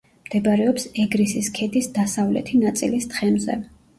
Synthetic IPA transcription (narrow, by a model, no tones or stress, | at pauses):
md̪̥ɛbaɾɛɔpsɛɡɾisiskʰɛd̪isd̪asavlɛ̰t̪ʰinat̪sʼḭlist̪χɛmzɛ̰